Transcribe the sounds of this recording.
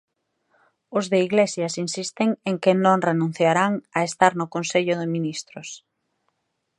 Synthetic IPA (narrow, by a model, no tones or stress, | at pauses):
ʊzðɪiɣlesjɐsinsist̪ɪŋeŋkɪnõŋrenũn̟θjaɾaŋɐest̪aɾnʊkonseʎʊðɪminist̪ɾʊs